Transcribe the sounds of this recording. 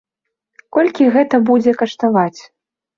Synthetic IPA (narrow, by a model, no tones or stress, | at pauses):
kɔlʲkʲiɣɛt̪ɐbud͡zʲɛkɐʂt̪avat͡sʲ